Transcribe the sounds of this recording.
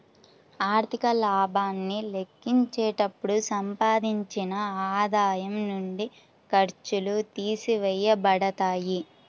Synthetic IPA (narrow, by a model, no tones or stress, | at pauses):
aːɾt̪ikɐlaːbʱaːnːile̞kːiɲt͡ʃɛːʈɐpːuɽusɐmpaːd̪iɲt͡ʃinɐaːd̪aːjɐmnuɳɖi | kɐɾt͡ʃulut̪iːsiʋɛjːɐbɐɽɐt̪aːji